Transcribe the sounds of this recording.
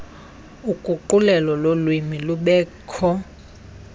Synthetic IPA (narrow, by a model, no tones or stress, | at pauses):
ukʼuǃulɛlɔlolwimiluɓɛːkʰɔ